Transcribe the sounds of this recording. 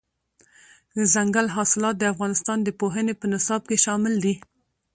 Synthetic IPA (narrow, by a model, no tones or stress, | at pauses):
d̪əzaŋɡalɦɑsɪlɑt̪̚d̪əafɣɑnɪst̪ɑnd̪əpoɦənepənɪsɑb̚keʃɑmɪld̪i